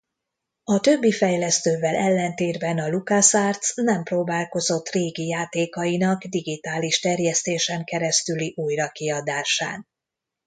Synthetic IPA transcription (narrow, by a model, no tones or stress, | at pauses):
ɒt̪ø̞bːifɛjlɛst̪øːvɛlʔɛlːɛnt̪eːrbɛnɒlukasaːrt̪snɛmproːbaːlko̞zo̞t̪ːreːɡijaːt̪eːkɒinɒɡd̪iɡit̪aːliʃt̪ɛrjɛst̪eːʃɛŋkɛɾɛst̪yliʔujrɒkiɒd̪aːʃa̰ːn